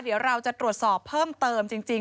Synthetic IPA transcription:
di˨˩˦əwɾa˧wt͡ɕa˨˩t̪ɾu˨˩ət̪̚sɔː˨˩pʰːɤː˥˩mt̪ɤː˧mt͡ɕi˧ŋt͡ɕi˧ŋ

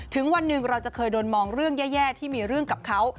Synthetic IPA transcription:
t̪ʰɯ˩˦ŋwa˧nːɯ˨˩ŋɾa˧wt͡ɕa˨˩kʰɤː˧jdoː˧nmɔː˧ŋɾɯ˥˩əŋjɛː˥˩jɛː˥˩t̪ʰiː˥˩miː˧ɾɯ˥˩əŋka˨˩p̚kʰa˦˥w

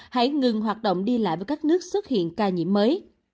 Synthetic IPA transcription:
ha̰˧˥jŋɨ˨˩ŋɦwaː˨˩t̚ɗə̰˧˨wŋ͡mɗi˧la̰ː˧˨jvəː˨˦jkaː˦˥k̚nɨ˦˥ək̚swt̚hḭ˧˨ənkaː˧ɲḭ˧˥əmːəː˨˦j

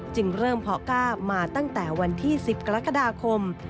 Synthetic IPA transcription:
t͡ɕɯ˧ŋɾɤː˥˩mpʰɔ˦˥kaː˥˩p̚maː˧t̪a˥˩ŋt̪ɛː˨˩wa˧nt̪ʰiː˥˩si˨˩p̚ka˧ɾa˦˥kːa˧daː˧kʰo˧m

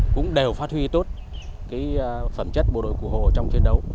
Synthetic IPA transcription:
kʊ̰˧˥ŋ͡mɗe˨˩wfaː˦˥t̚hwi˧t̪o˦˥t̚ | kaː˨˦jfə˧˩mt͡ɕə˦˥t̚ɓo˨˩ɗo̰˧˨jku˧˩ho̰˧˨ə˨˩t͡ɕɔ˧wŋ͡mt͡ɕwi˧nɗə˨˦w

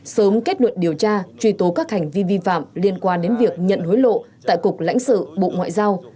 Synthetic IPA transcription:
səː˨˦mke˦˥t̚nwə˧˨nɗi˨˩əwt͡ɕaː˧t͡ɕwi˧˩t̪o˨˦kaː˦˥k̚ha˨˩ŋ̟vi˧vi˧fa̰ː˧˨mli˧ənkwaː˧nɗe˨˦nvi˨˩ək̚ɲə̰˧˨nho˨˦jlo̰˧˨t̪a̰ː˧˨jkʊ˨˩k͡p̚la̰˧˥jŋ̟sɨ̰˧˨ɓo̰˧˨ŋwa̰ː˧˨jzaː˧w

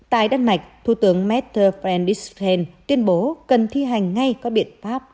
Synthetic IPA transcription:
t̪a̰ː˧˨jɗaː˧nma˨˩jk̟̚t̪ʰṵ˧˩t̪ɨ˨˦əŋmɛ˦˥t̚t̪ʰəː˧fɛ˧nɗi˦˥sɛ˧nt̪wi˧ənɓo˨˦kə˨˩nt̪ʰi˧ɦa˨˩jŋ̟ːa˧jkɔ˨˦ɓḭ˧˨ənfaː˦˥p̚

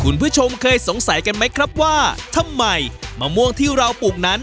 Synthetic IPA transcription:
kʰu˧npʰɯ˦˥t͡ɕʰo˧mkʰɤː˧jso˨˩˦ŋsa˩˦jka˧nma˦˥jkʰɾa˦˥p̚waː˥˩t̪ʰa˧˥mːa˧jmaː˧mu˧˥˩əŋt̪ʰiː˥˩ɾa˧wpuː˨˩k̚na˦˥n

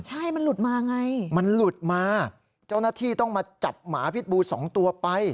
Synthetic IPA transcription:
t͡ɕʰa˥˩jma˧nlu˨˩t̪̚maː˧ʔa˧ŋa˧jma˧nlu˨˩t̪̚maː˧ | t͡ɕa˥˩wnaː˥˩t̪ʰiː˥˩t̪ɔ˥˩ŋmaː˧t͡ɕa˨˩p̚ma̰ː˩˦pʰi˦˥t̪̚buː˧sɔ̰ː˩˦ŋt̪u˧ɐpa˧j

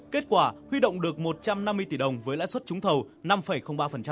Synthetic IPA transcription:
ke˦˥t̚kwaː˧˩hwi˧ɗo̰˧˨wŋ͡mɗɨ˨˩ək̚mo˨˩t̚t͡ɕa˧mna˧mːɨ˧əjt̪i˧˩ɗə˨˩wŋ͡mvəː˨˦jla̰ː˧˥jswə˦˥t̚t͡ɕʊ˨˦ŋ͡mt̪ʰə˨˩w | na˧mfə˨˩jxə˧ŋ͡mɓaː˧fə˨˩nt͡ɕa˧

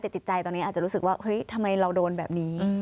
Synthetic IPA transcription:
t̪ɛː˨˩t͡ɕi˨˩t̪̚t͡ɕa˧jt̪ɔː˧ni˦˥ʔa˨˩t͡ɕa˨˩ɾuː˦˥sɯ˨˩kwaː˥˩hɤ˦˥jt̪ʰa˧mːa˧jɾa˧wdoː˧nbɛ̰ː˨˩p̚niː˦˥

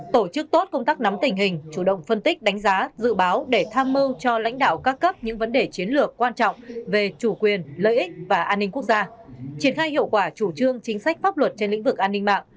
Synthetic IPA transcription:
t̪o˧˩t͡ɕɨ˦˥k̚t̪o˦˥t̚kə˧wŋ͡mt̪aː˦˥k̚na˨˦mt̪ï˨˩ŋ̟ɦï˨˩ŋ̟t͡ɕu˧˩ɗə̰˧˨wŋ͡mfə˧nt̪ï˦˥k̟̚ɗa˨˦ŋ̟zaː˨˦zɨ̰˧˨ɓaː˨˦wɗe˧˩t̪ʰaː˧mːɨ˧wt͡ɕɔ˧la̰˧˥jŋ̟ɗa̰ː˧˨wkaː˦˥kːə˦˥p̚ɲɨ̰˧˥ŋvə˨˦nɗe˨˩t͡ɕi˨˦ənlɨ˨˩əkːwaː˧nt͡ɕɔ̰˧˨wŋ͡mve˨˩t͡ɕu˧˩kwi˨˩ənlə̰ː˧˨jʔï˦˥k̚vaː˨˩ʔaː˧nːi˧ŋku˦˥ək̚z̥aː˧t͡ɕi˨˩ənxaː˧jhḭ˧˨əwkwaː˧˩t͡ɕu˧˩t͡ɕɨ˧əŋt͡ɕï˨˦ŋ̟sa˦˥k̟̚faː˦˥p̚lwə˨˩t̚t͡ɕe˧nlḭ˧˥ŋ̟vɨ˨˩k̚ʔaː˧nːi˧ŋma̰ː˧˨

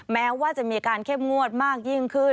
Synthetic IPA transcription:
mɛː˦˥waː˥˩t͡ɕa˨˩ʔmiː˧kaː˧nkʰe˦˥˩mŋu˦˥˩ət̪̚maː˥˩k̚ji˥˩ŋkʰɯ˥˩

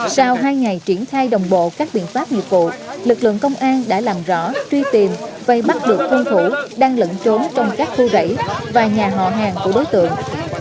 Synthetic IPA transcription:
sa˧wɦaː˧jŋa˨˩jt͡ɕi˧˩ənxaː˧jɗə˨˩wŋ͡mɓo̰˧˨kaː˦˥k̚ɓḭ˧˨ənfaː˦˥p̚ɲḭ˧˨ət̚vṵ˧˨lɨ˨˩k̚lɨ̰˧˨əŋkə˧wŋ͡mʔaː˧nɗa̰ː˧˥laː˨˩mzɔ̰˧˥t͡ɕwi˧t̪i˨˩mva˨˩ɓa˦˥t̚ɗɨ˨˩ək̚tʰu˧nt̪ʰu˧˩ɗaː˧ŋlə̰˧˥nt͡ɕo˨˦nt͡ɕɔ˧wŋ͡mkaː˦˥k̚t̪ʰu˧zə̰˧˩jvaː˨˩ɲaː˨˩ɦɔ̰˧˨ɦaː˨˩ŋku˧˩əɗo˨˦jt̪ɨ̰˧˨əŋ

